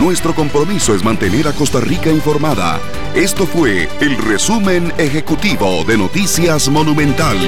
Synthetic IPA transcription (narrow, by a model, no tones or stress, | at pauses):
nwe̞st̪ɾo̞ko̞mpɾo̞miso̞e̞zmant̪e̞ne̞ɾako̞st̪arikaiɱfo̞ɾmaða̰ | e̞st̪o̞fwe̞ | elre̞sume̞ne̞xe̞kut̪iβo̞ðe̞no̞t̪isjazmo̞numẽ̞nt̪al